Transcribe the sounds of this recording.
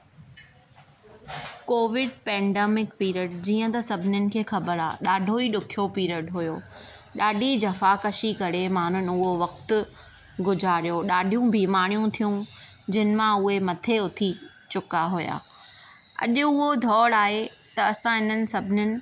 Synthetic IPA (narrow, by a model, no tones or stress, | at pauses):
koːʋɪɖ̚pɛ̃ːɖeːmɪkpiːɾəɖ̚d͡ʑiːə̃t̪ɐsɐbʱɪnʊnɪ̆kʰeːxɐbəɾaːɗaːɖʱoiɗʊkʰijopiːɾəɖɦʊjoː | ɗaːɖʱid͡ʑɐfakɐʃikɐɾemaːn̤ʊnɪ̆ʊɦoʋɐk̚t̪ʊ | ɡʊd͡ʑʱaːɾijoɗaːɖʱijũbʱiːmaːɽ̃ijũt̪ʰijũ | d͡ʑɐnɪ̆mãʊɦemɐt̪ʰeʊt̪ʰi | t͡ɕʊkaɦʊja̰ː | ɐ̰ʄʊ̆ʊɦod̪ʱɔːɽaːɦe | t̪ɐɐsãɦɪn̤ənɪ̆sɐbʱɪnɪnɪ̆